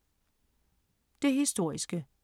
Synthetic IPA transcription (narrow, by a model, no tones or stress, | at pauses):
d̥e̝ɦisd̥o̝ɐ̰isɡ̥ə